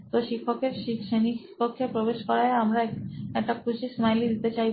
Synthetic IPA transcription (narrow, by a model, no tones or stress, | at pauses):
t̪oʃikʰːokeɾʃiʃenipokʰːepɾobeʃkɔɾaeamɾaɛk̚ʈakʰut͡ɕʰismajlid̪it̪et͡ɕaj